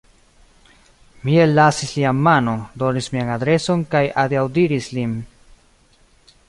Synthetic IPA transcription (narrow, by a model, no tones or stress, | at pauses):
mie̞lːasislianmano̞ndo̞nismianadɾe̞so̞nkajadiawdiɾislin